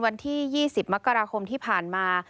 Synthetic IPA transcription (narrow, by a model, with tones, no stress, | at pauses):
wa˧nt̪ʰiː˥˩jiː˥˩si˨˩p̚ma˦˥kːa˧ɾaː˧kʰo˧mt̪ʰiː˥˩pʰaː˨˩nmaː˧